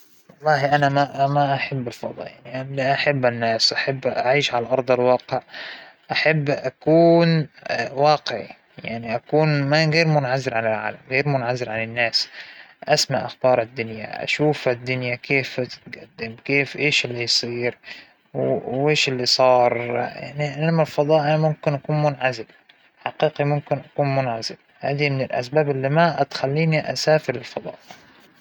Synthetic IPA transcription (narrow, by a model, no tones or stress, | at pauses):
wɑlˤːɑːhiʔanamamaʔaħabːɪlfɑd̪ˤɑ̰janiʔalaʔaħabːanːaːsʔaħabːʔaʕiːʃʕalʔɑɾˤd̪ˤɑlwɑːqɪʕʔaħabːʔakuːnwɑːqɪʕḭ | jaʕniʔakuːnmaɣeːɾmʊnʕazɪɾʕanɪlʕa̰ːlamɣeːɾmʊnʕazɪɾʕanɪnːaːsʔasmaʔaxbɑːɾˤɪd̪ːʊnja̰ʔa̰ʃuːfad̪ːʊnjakeːft̪ɪ̥t̪ɡad̪ːɪmkeːfʔeːʃɪlːijsˤiːɾ | weːʃɪlːisˤɑːɾˤja̰ʕniʔanamalfɑd̪ˤɑːʔimʊmkɪnʔakuːnmʊnʕazɪl | ħaqiːqimʊmkɪnʔakuːnmʊnʕazɪl | ha̰ːd̪imɪnɪlʔa̰sbaːbʔɪlːimat̪xalːiːniʔa̰saːfɪɾɪlfɑd̪ˤɑ̰ːʔɪ